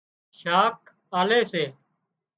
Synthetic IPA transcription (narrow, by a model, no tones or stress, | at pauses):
ʃaːk̚ | aːleːseː